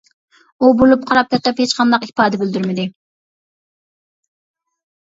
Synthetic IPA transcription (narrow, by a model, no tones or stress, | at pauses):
ubolˠup̚qʰɑɾɑp̚kʲɛt̪ɪphet͡ʃqʰɑnd̪ɑqipɑːd̪ɛbøld̪yɾmɪd̪ɪ